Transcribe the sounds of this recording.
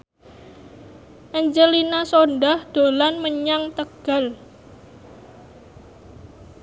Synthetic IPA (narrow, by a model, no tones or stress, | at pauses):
ʔɛɲd͡ʒəlinasonɖahd̪̥o̤lanməɲaŋt̪əɡ̥a̤l